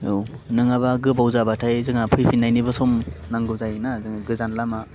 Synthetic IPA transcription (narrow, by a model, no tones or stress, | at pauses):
ewnɯŋabaɡɯpawzabatʰajzɯŋapʰɯjpʰinajnibasɔmnaŋɡɯwzajnazɯŋaɡɯzanlama